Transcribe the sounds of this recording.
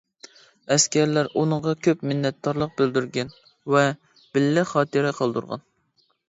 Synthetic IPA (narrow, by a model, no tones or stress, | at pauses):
ɛskʲɛɾlæɾʔunəʁɑkʲʰøpmɪnːɛt̪̚d̪ɑɾlˠəq̚bøld̪yɾɡʲɛn | vɛ | b̥ɪlːɪχɑːt̪ɨɾɪqʰɑlˠd̪ṵɾʁɑ̰n